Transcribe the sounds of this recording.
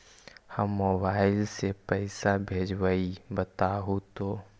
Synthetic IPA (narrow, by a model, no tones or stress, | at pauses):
həmːoːbaːɪlsepɛɪsabʱeːd͡ʒwəibət̪aɦot̪oː